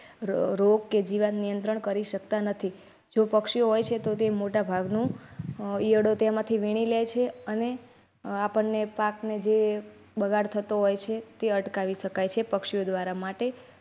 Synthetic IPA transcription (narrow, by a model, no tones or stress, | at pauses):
ɾoɡ̚ked͡ʒiʋannijənt̪ɾəɳkəɾiʃəkt̪anət̪ʰi | d͡ʒopəkʃijoɦojt͡ʃʰet̪ot̪emoʈabʱaɡnũ | ijəɽot̪emãt̪ʰiʋiɽ̃ilejt͡ʃʰeəne | apəɳːepakned͡ʒe | bəɡʱaɽt̪ʰət̪oɦojt͡ʃʰet̪eəʈkaʋiʃəkajt͡ʃʰepəkʃijod̪ʋaɾamaʈe